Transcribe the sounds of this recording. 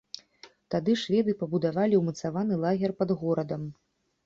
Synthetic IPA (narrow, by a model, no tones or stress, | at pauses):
t̪ad̪ɨʂvʲɛd̪ɨpɐbud̪avalʲiwmɐt̪savanɨlˠaɣʲɛrpɐd̪ɣɔɾɐd̪ɐm